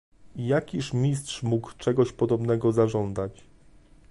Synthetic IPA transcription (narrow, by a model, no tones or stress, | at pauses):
ijakʲiʂmʲistʂmukt͡ʂɛɡɔɕpɔd̪ɔbnɛɡɔzaʐɔnd̪at͡ɕ